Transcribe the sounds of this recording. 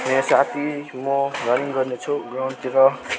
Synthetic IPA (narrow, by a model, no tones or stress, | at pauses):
mesat̪ʰimorʌniŋɡʌrnet͡sʰuɡrawnt̪iɾʌ